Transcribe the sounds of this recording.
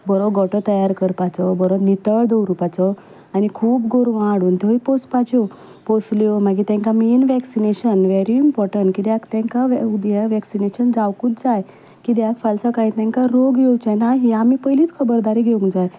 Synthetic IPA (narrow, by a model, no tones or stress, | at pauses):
bɔɾɔɡɔʈɔt̪əjaɾkəɾpat͡sɔbɔɾɔnit̪əɭd̪ɔwɾupat͡sɔ | anikʰuːpɡoɾʋãaɽuːnt̪eipospat͡ɕo | posleʋmaɡit̪ɛ̃ŋkamiːnʋɛksineɕənʋeɾiːmpɔɾʈəɳʈkid̪jakt̪ɛ̃ŋkaʋud̪jaʋɛksineɕənd͡zawkũt̪d͡zaj | kid̪jakfalsakaĩt̪ɛ̃ŋkaɾoɡɡeut͡ɕanaɦiamiːpəjliːt͡skʰəbəɾd̪aɾiɡʱeũŋkd͡zaj